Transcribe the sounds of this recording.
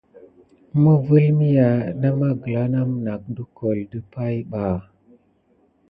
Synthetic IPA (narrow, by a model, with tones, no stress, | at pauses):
mə˦və˦lmi˦ja˨na˦ma˦ɡə˨la˦na˦m˨na˨k̚də˦ko˨ldə˦pa˦jɓa˨